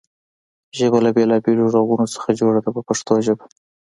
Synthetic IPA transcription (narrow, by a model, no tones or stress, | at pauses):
ʒəbalabelɑbeloʐaɣunosə̥xad͡ʒoɽad̪apəpaʂt̪oʒəba